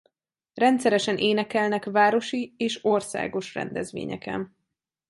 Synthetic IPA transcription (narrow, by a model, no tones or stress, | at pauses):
rɛnt̪sɛɾɛʃɛnʔeːnɛkɛlnɛkvaːɾo̞ʃieːʃorsa̰ːɡo̞ʃrɛ̰nd̪ɛzʋḛːɲɛ̰kɛ̰n